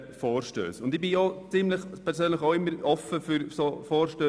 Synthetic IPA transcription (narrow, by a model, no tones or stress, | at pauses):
fɔːɾʃtø̰ːsʊndɪb̥ɪoːt͡sɪmləxpʰɛɾsøːnləχoʊɪmːəɾɔfəfyɾsoːfɔːɾʃtøː